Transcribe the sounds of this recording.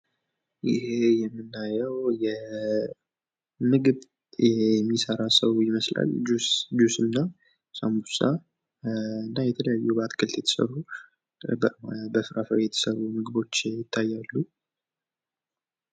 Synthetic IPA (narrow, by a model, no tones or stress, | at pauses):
jɪhe̞jɛmːɨnːajəwjɛ | mɨɡɨb | jɛmːisəɾasəwjɪməsla̰l̰ːd͡ʒusd͡ʒusɨnːa | sambusa | ɨnːajɛt̪ʰələjajːubəat̪kʰɨlt̪jɛt̪ʰə̥sə̰ru | bəmabəfɨɾafəɾjɛt̪ʰə̥sərːumɨɡɨbo̞t͡ʃːjɪt̪ʰːajːalːu